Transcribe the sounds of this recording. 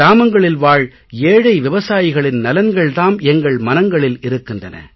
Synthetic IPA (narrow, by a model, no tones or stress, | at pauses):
aːmɐŋɡɐɭɪlʋaːɻ | eːɻɐɪʋɪʋɐsaːjɪɣɐɭɪnnɐlɐnɡɐɭðaːmɛŋɡɐɭmɐnɐŋɡɐɭɪlɪɾɯkːɪndrɐnɐ̰